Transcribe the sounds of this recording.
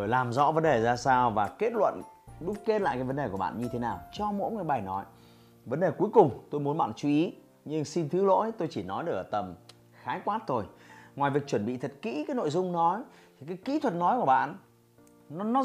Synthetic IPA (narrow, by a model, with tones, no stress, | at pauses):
o˧˩jlaː˨˩mzɔ̰˧˥və˨˦nɗe˨˩zaː˧saː˧wvaː˨˩ke˦˥t̚lwə̰˧˨nɗʊ˦˥k͡p̚ke˦˥t̚la̰ː˧˨jkaː˨˦jvə˨˦nɗe˨˩ku˧˩əɓa̰ː˧˨nɲɨ˧t̪ʰe˨˦naː˨˩wt͡ɕɔ˧mo̰˧˥jŋɨ˨˩jɓaː˨˩jnɔ˨˦j | və˨˦nɗe˨˩ku˨˦əjkʊ˨˩ŋ͡mt̪o˧jmu˨˦nɓa̰ː˧˨nt͡ɕu˨˧˦ʔi˨˦ | ɲɨ˧ŋsi˧nt̪ʰɨ˨˦lo̰˧˥jt̪o˧jt͡ɕi˧˩nɔ˨˦jɗɨ˨˩kʔə˨˩t̪ə˨˩m | xaː˨˦jkwaː˦˥t̚t̪ʰo˧˩jŋwaː˨˩jvi˨˩ək̚t͡ɕwə˧˩nɓḭ˧˨t̪ʰə˨˩t̚kḭ˧˥kaː˨˦jno̰˧˨jzʊ˧ŋ͡mnɔ˨˦j | t̪ʰi˨˩kaː˨˦jkḭ˧˥t̪ʰwə˨˩t̚nɔ˨˦jku˧˩ə˩ɓa̰ː˧˨n | nɔ˨˦nɔ˨˦